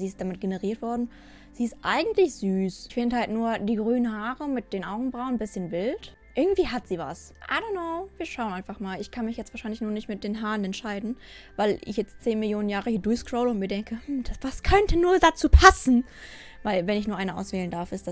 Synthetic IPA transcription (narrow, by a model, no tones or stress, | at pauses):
ziːɪstd̥amɪt̚ɡ̥enəʁiːɐtv̥ɔɐdn̩ | z̥iːɪstʔaɪɡŋ̩tlɪçz̥yːsɪçfɪndəhaltnuːɐd̥iːɡʁyːnənɦaːʁəmɪt̚d̥eːnʔaʊɡŋ̩bʁaʊnbɪsçənvɪlt | ʔɪɐɡŋ̩tv̥iːɦatz̥iːva̰s | ʔa̰ɪdonaʊv̥iːɐʃaʊnʔaɪnfaχmaːlɪçkʰanmɪçjɛt͡stv̥aːɐʃaɪnlɪçnuːɐnɪçtmɪt̚d̥eːnɦaːʁənɛntʃaɪdn̩vaɪlʔɪ̰çjɛt͡stt͡seːnmɪljoːnənjaːʁəhiːɐdʊɐçskʁ̥oʊləʊntmiːɐdɛŋkʰəm̩ːd̥asv̥askʰœntʰənuːɐdat͡suːpʰasn̩ | vaɪlvɛnɪçnuɐaɪnəʔa̰ʊsv̥ɛːləndaɐfɪstd̥a